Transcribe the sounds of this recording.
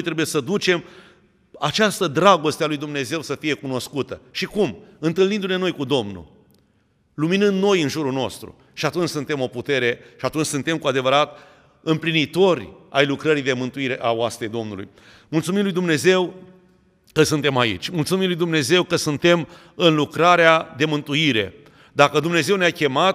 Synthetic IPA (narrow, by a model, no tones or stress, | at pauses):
jt̪ɾe̞bujesəd̪ut͡ʃe̞m | at͡ʃast̪əd̪ɾaɡo̞st̪ealujd̪umne̞ze̞wsəfije̞kuno̞skut̪əʃikumɨnt̪ɨlnind̪une̞nojkud̪o̞mnṵ | luminɨnd̪no̞jɨnʒuɾuno̞st̪ɾṵ | ʃiat̪unt͡ʃʲsunt̪e̞mo̞put̪e̞ɾe̞ʃiat̪unt͡ʃʲsunt̪e̞mkuad̪e̞vəɾat̪ | ɨmplinit̪o̞ɾʲa̰jlukɾəɾid̪e̞mɨnt̪uiɾe̞ʔaoast̪ɾed̪o̞mnulṵj | mult̪sumimlujd̪umne̞ze̞w | kəsunt̪e̞maḭt͡ʃʲmult̪sumimlujd̪umne̞ze̞wkəsunt̪e̞m | ɨnlukɾaɾead̪e̞mɨnt̪uiɾe̞̰ | d̪akəd̪umne̞ze̞wneakʲe̞mat̪